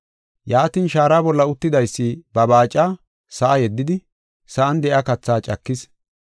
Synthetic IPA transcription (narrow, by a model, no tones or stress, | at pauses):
jaːt̪iːnʃaːɾaːbɔlːɐʊt̪ːɪd̪ɐjsːɪbɐbaːt͡ʃʼːaː | sɐʔɐjɛd̪ːɪd̪ɪ | sɐʔɐnd̪ɛʔakɐt͡sːaːt͡ʃʼɐkːɪs